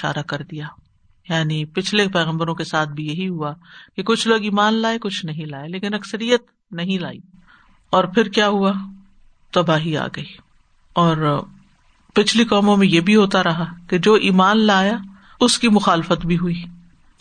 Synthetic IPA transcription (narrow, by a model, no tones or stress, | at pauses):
ɪʃa̰ːɾakɐɾd̪ijaː | jaːnipɪt͡ʃʰlepɛːɣə̃mbəɾõkesaːt̪̚ʰbʱijɐɦiɦuakekʊt͡ʃʰloːɡiːmaːnlaːekʊt͡ʃʰnɐɦĩlaːeleːkɪnɐksəɾijət̪ | nɐɦĩla̰ːḭː | ɔːɾpʰɪɾkjaːɦua | t̪ɐbaːɦia̰ːɡɐiː | ɔːɾ | pɪt͡ʃʰlikɔːmõmẽjebʱiɦoːt̪aɾɐɦaked͡ʒoːʔiːmaːnlaːja | ʊskimʊxaːlɪfət̪bʱiɦʊiː